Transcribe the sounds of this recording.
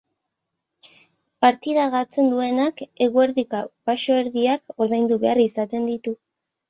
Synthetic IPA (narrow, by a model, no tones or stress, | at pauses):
paɾt̪iðaɣat͡se̞nd̪ue̞nake̞ɣue̞ɾðikapaʃo̞eɾðiako̞ɾðajnd̪uβe̞arisat̪e̞nd̪it̪u